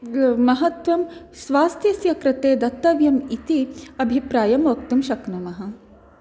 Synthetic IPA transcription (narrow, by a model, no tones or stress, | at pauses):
mɐɦɐt̪ʋɐm | sʋaːst̪ʰjɐsjɐkɾɪt̪eːd̪ɐt̪ːɐʋjɐmit̪iɐbʱipɾaːjɐmʋɐk̚t̪umʃɐknɐmɐɦɐ̆